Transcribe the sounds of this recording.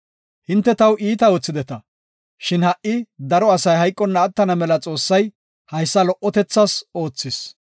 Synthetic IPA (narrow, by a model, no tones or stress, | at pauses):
hɪnt̪ːɛt̪ɐwʔiːt̪ɐɔt͡sːɪd̪ɛt̪ɐ | ʃɪnhɐʔːɪd̪ɐɾɔɐsɐjɦɐjkʼːɔnːɐːt̪ːɐnɐmɛlɐt͡sʼo̞ːsːɐj | hɐjsːɐlɔʔːɔt̪ɛt͡sːɐso̞ːt͡sːɪs